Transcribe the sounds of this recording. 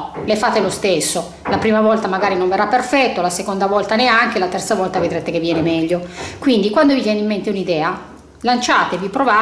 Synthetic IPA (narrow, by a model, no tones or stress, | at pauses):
lefaːt̪elost̪esːo | lapɾiːmavɔlt̪amaɡaːɾinoɱverːapːerfɛt̪ːolasekond̪avɔlt̪aneaŋk̟elat̪ɛrt̪savɔlt̪aved̪ɾeːt̪ekevːjɛːnemɛʎːokwind̪ikwand̪ovit̪jɛːnimːent̪eunid̪ɛːa | lant͡ʃaːt̪evipɾova